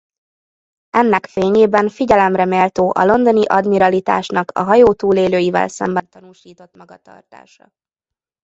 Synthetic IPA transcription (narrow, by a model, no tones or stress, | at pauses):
ɛnːɛkfeːɲeːbɛnfiɟɛlɛmrɛmeːlt̪oːʔɒ̰lo̞nd̪o̞niʔɒd̪miɾɒlit̪a̰ːʃnɒkɒ̰ɦɒjoːt̪uːleːløːjivɛ̰lsɛ̰mbɛnt̪ɒnuːʃiːt̪o̞t̪mɒɡɒt̪ɒ̰rt̪a̰ːʃɒ̰